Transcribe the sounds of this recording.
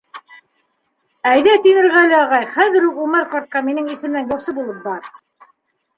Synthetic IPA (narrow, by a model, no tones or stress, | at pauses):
æjðæt̪iŋɘ̆ɾʁælɘɑʁɑjχæðɘ̆ɾuqumɑɾqɑɾt̪̚qɑminɘŋisɘ̆mnænjuɾsɤbulˠɤp̚bɑɾ